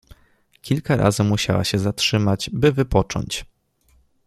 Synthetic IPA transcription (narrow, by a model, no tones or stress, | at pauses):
kʲʰilkaɾʔa̰zɘmuɕa̰wa̰ɕɛzatʂɘmad͡ʑbɘvɘpɔt͡ʂɔ̰ɲt͡ɕ